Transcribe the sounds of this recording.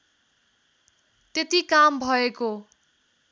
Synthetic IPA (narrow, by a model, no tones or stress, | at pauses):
t̪et̪ikambʱʌeko